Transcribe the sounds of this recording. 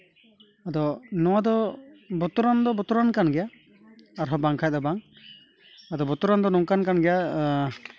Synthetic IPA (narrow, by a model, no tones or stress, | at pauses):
ad̪ɔnɔwad̪ɔbɔt̪uɾand̪ɔbɔt̪uɾankanɡɛjaː | ɾɦɔbaŋkʰajt̪ɔbaŋ | ad̪ɔbɔt̪uɾand̪ɔnɔŋkankanɡɛja